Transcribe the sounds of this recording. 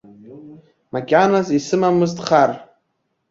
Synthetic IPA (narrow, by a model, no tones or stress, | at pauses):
maɡʲanazisɨmamɨztʼχar